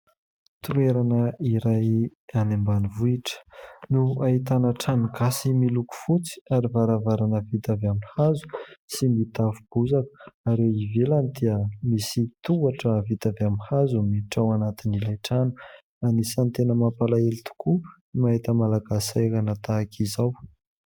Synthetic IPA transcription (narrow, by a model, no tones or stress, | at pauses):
t̪ueɾanəiɾaj | anembanivuiʈ͡ʂə̥nuaɦit̪anəʈ͡ʂanuɡasimiluku̥fut͡si̥aɾivaɾavaɾanəvit̪avamihazu̥simit̪afub̥uzakə̥aɾewivelanid̪iəmisit̪uaʈ͡ʂəvit̪avamihazumiʈ͡ʂawanat̪inilajʈ͡ʂanu̥ | anisant̪enəmapalaelit̪u̥ku | maɦit̪əmalaɡasajɾanət̪akʰizaw